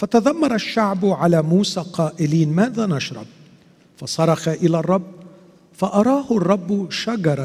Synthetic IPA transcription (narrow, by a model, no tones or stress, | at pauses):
fat̪aðamːɑɾˤɑʃːaʕbʊʕalaːmuːsaːqɑːʔɪliːnmaːðaːnɑʃɾˤɑ̰b̚ | fɑsˤɑɾˤɑxaʔɪlaːrˤːɑbː | faʔɑɾˤɑːhʊrˤːɑbːʃaɡɑɾˤɑ